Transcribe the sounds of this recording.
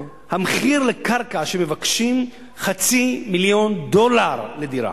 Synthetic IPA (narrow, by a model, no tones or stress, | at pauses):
hameχiʁlekaʁkaʃeme̞vakʃim | χat͡similjo̞nd̪o̞laʁle̞d̪iʁa̰